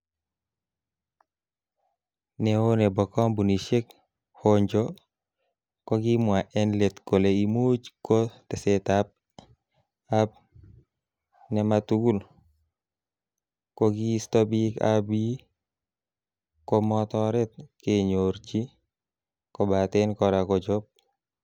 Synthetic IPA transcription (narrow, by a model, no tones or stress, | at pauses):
nɛonɛbɔkɔmbuniʃek̚ | hoɲd͡ʒɔ | kɔɡimwaʔɛnlet̪koleimut͡ʃkotɛsetap̚ | ap̚ | nɛmat̪uɡul | kɔɡiːstɔbika̰bi | kɔmɔt̪ɔɾɛt̪̚keɲoɾt͡ʃi | kɔbat̪enkɔɾakɔd͡ʒɔp̚